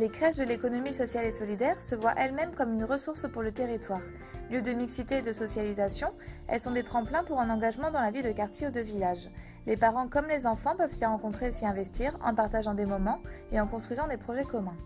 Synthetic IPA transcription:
lekχɛʃd̪əlekɔnɔmisɔsjalesɔlid̪ɛʁsəvwaʔɛlmɛmkɔmynʁəsuʁspuʁlət̪eʁit̪waːʁ | mjød̪əmiksit̪eːd̪əsɔsjalizasjɔ̃ɛ̰lsɔ̃d̪et̪χɑ̃plɛ̃puʁɛ̃nɑ̃ɡaʒmɑ̃d̪ɑ̃lavid̪əkaʁt̪jeud̪əvilaʒ | lepaʁɑ̃kɔmlezɑ̃fɑ̃pœvsaʁɑ̃kɔ̃t̪χesiɛ̃vɛst̪iʁɑ̰̃paʁt̪aʒɑ̃d̪emɔmɑ̃eɑ̃kɔ̃st̪χɥizɑ̃d̪epχɔʒɛkɔmɛ̃

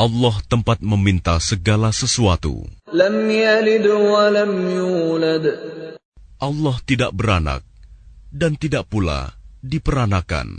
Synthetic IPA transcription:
ʔɑlːɔht̪əmpat̪̚məmint̪asəɡalasəsuat̪ṵlamjjalɪd̪walamjuːlad̪ | ʔalːɔht̪idaʔbəɾana̰k̚dant̪idaʔpula̰dipəɾanaka̰n

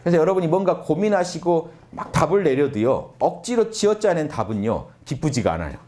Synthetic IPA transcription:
kɾesʰʌjʌɾʌbuɲimwʌnɡakominɦaɕʰiɡo | ma̰k̚tabɯɭːe̞ɾjʌdujo̰ʌk̚t͡ɕ͈iɾot͡ɕiʌt͡ɕ͈anɯntabɯɲo̰kip͈ud͡ʑiɡaa̰na̰jo̰

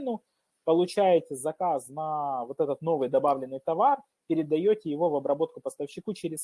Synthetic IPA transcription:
nʊ | pəlˠʊt͡ɕæjɪt̪ʲɪzɐkasnɐvo̞t̪ɛt̪ət̪no̞vɨjd̪ɐbavlʲɪnːɨjt̪ɐvar | pʲɪɾʲɪd̪ɐjotʲɪjɪvo̞vɐbɾɐbo̞t̪̚kʊpəst̪əfɕːɪkut͡ɕeɾʲɪs

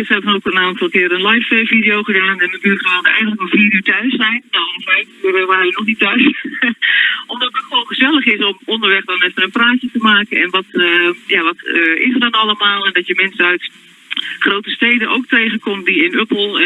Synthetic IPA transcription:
ɪsɛənokənaːntɑlˠkɪːɾənlajfɛfidɪjowχədaːnɛnəbyχaːndəɛ̰jɣənləkɔfiːɾyːtœɥsːɛjnːawomfɛjfyːrəʋaːrəʋənɔχnitœɥs | ʔɔmdɑtətχəʋoːnχəzɛlˠəχɪsɔmɔndəɹʋɛχdɔnɛfənənpraːcətəmaːkənɛnʋɔtjaʋɔtɪ̰sərdɔnɑlˠəmaːlˠɛndɔtjəmɛnsənœɥt | χrowtəstejdənowk̚tejχənkɔmtdiɪnøpl̩ˠ

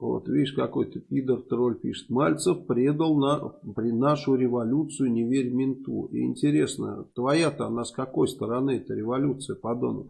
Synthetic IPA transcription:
vo̰t̪vʲidʲɪʂkɐko̞jt̪əpʲid̪ərt̪ɾo̞lʲpʲiʂɨ̥t̪malʲt̪səfpɾʲed̪əlˠnapɾʲɪnaʂʊɾʲɪvɐlʲut̪sɨjʊnʲɪvʲeɾʲmʲɪnt̪ṵɪ̰ɪ̰nʲtʲɪɾʲe̞snə̰t̪vɐjat̪əɐnaskɐko̞jst̪əɾɐnɨɛt̪əɾʲɪvɐlʲut̪sɨjəpɐd̪o̰nə̰

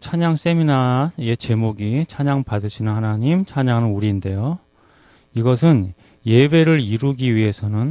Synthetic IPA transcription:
t͡ɕʰaɲaŋs͈e̞minae̞t͡ɕe̞moɡit͡ɕʰaɲaŋpadɯɕʰinɯnhanaɲimt͡ɕʰaɲaŋɯnuɾiːnde̞jo | iɡʌs̬ʰɯn | je̞be̞ɾɯɾiɾuɡiɥiɦe̞sʰʌnɯn

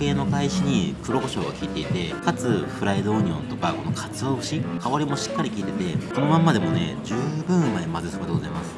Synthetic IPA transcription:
ke̞ːno̞kaiɕiɲ̟ikɯ̟ɾo̞ko̞ɕo̞ːɡakʲiːt̪e̞it̪e̞kat͡sɨɸɯ̟ɾaid̪o̞ːɲ̟iõ̞nt̪o̞kako̞no̞kʰḁt͡sɨoːɯɕikʰaβaɾʲimo̞ɕi̥kːaɾʲikʲiːt̪e̞t̪e̞so̞no̞mamːad̪e̞mo̞ne̞̰d͡ʑɨːbɯ̟̃mmaemazɨsokod̪e̞ɡozaimasɨ̥

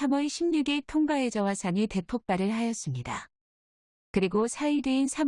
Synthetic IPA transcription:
amʌiɕʰimɲuɡetʰoŋɡae̞d͡ʑʌwasʰaɲite̞pʰok̚p͈aɾɯɭɦajʌs͈ɯmɲida | kɯɾiɡosʰaideinsʰam

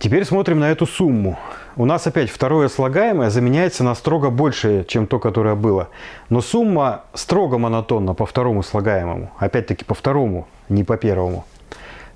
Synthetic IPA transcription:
tʲɪpʲeɾʲsmo̞t̪ɾʲɪmnɐɛt̪ʊsumːʊ | ʊnasɐpʲætʲft̪ɐɾo̞jəslˠɐɡajɪməjəzəmʲɪnʲæjɪt̪sənɐst̪ɾo̞ɡəbo̞lʲʂɨjət͡ɕemt̪o̞kɐt̪o̞ɾəjəbɨlˠəno̞sumːəst̪ɾo̞ɡəmənɐt̪o̞nːəpəft̪ɐɾo̞mʊslˠɐɡajɪmə̰mʊ̰ɐpʲæt̚ʲt̪əkʲɪ̥pəft̪ɐɾo̞mʊ | nʲɪpɐpʲe̞rvəmʊ̰

